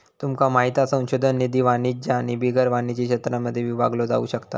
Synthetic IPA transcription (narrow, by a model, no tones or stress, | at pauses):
t̪umkamaɦit̪asə̃w̃ɕod̪ʱənːid̪iːʋanid͡ʑaːɽ̃ibiɡəɾʋanit͡ɕikɕət̪ɾaməd̪ʱːjeʋiʋaɡlod͡za̰ṵɕəkt̪a̰